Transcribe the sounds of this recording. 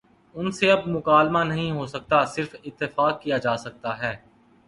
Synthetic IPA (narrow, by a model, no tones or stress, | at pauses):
ʊnseɐbmʊkaːlmanɐɦĩɦoːsɐk̚t̪asɪɾfɪt̪ːɪfaːkːijad͡ʒaːsɐk̚t̪aɦɛː